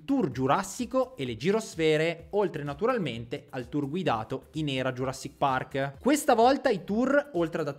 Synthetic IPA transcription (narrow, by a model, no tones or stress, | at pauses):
t̪urd͡ʒuɾasːikoeled͡ʒiɾosfɛːɾeolt̪ɾenat̪uɾalment̪ealt̪urɡwid̪a̰ːt̪oinɛːɾad͡ʒuɾasːik̚parkkwest̪avɔlt̪ait̪urolt̪ɾead̪at̪